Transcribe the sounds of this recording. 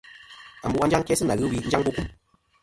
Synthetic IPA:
a˨mbu˨a˦d͡ʒa˦ŋkɛ˦sɨ˦na˨ɣɨ˦wi˦n̩˦d͡ʒa˦ŋbu˦ku˦˨

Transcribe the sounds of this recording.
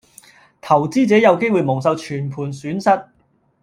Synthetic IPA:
t̪ʰɐ˨˩wt͡siː˥t͡sɛː˨˥jɐ˨˧wke˥jwuː˨˧jmʊ˨˩ŋsɐ˧wt͡ʃʰyː˨˩npʰuː˨˩nsyː˨˥nsɐ˥t̚

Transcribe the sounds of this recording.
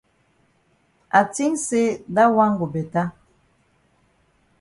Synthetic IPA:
a˨ti˦ŋse˦da˦wa˦ŋɡu˨bɛ˨ta˦

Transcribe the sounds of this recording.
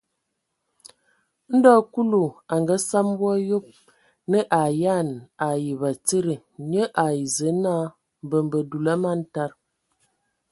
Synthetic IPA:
n̩˦dɔ˦ku˦lu˨a˨ŋɡa˦sa˦m˦bwɔ˦jo˦p̚ | nə˦ʔa˨ja˦˨na˨ji˨βa˨t͡sə˦ɾə˨ | ɲə˦ʔa˨i˨zə˨˦na˦ | m˨bə˨mbə˨du˨la˦ma˦n̩˦ta˦ɾ

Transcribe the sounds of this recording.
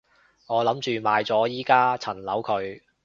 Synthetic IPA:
ŋɔː˨˧lɐ˨˥mt͡ʃyː˨˧maː˨˧jt͡sɔː˨˥jiː˥kaː˥t͡sʰɐ˨˩nlɐ˨˥wkʰɵ˨˧ɥ

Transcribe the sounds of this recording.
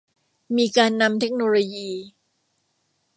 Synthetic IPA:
miː˧kaː˧nːa˧mt̪ʰe˦˥k̚noː˧loː˧jiː˧

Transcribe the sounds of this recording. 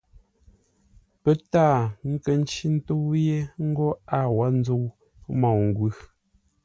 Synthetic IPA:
pə˨˦ta˦˨ŋ̩˦kə˨n̩˦t͡ʃi˦n̩˦to˦wje˦ŋ̩˦ɡɔ˦a˦˨wa˨˦n̩˦d͡zo˦w | mɔ˨wŋ˨ɡwʉ˦

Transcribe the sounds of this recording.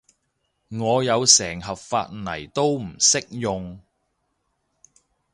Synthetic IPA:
ŋɔː˨˧jɐ˨˧wsɛː˨˩ŋɦɐ˨p̚fa̰ː˧t̚nɐ˨˩jt̪o˥wm̩˨˩sɪ˥k̚jʊ˨ŋ

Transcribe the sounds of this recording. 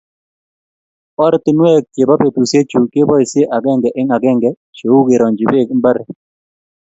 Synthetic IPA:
ɔ˦ɾt̪ɪ˦nwɛ˦k̚t͡ʃe˨ba˦pe˨t̪u˨se˦t͡ʃu˨ke˦bɔ˦i˨sɪ˦e˦ʔa˨ɡɛ˦ŋɡɛ˨ʔɪ˦ŋa˨ɡɛ˦ŋɡɛ˨ | t͡ʃo˨u˦ɡe˨ɾɔ˨ɲd͡ʒɪ˨bɪ˦˨kmba˦ɾɛ˨

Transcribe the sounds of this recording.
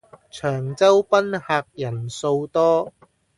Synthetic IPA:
t͡ʃʰœː˨˩ŋt͡sɐ˥wpɐ˥nhaː˧k̚jɐ˨˩nso˧wt̪ɔː˥

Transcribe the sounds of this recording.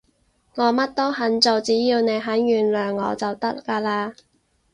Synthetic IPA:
ŋɔː˨˧mɐ˥t̚t̪o˥ɦɐ˨˥nt͡so˨wt͡siː˨˥jiː˧wne˨˧jɦɐ˨˥njyː˨nlœː˨ŋːɔ̰ː˨˧t͡sɐ˨wt̪ɐ˥kːaː˧laː˧

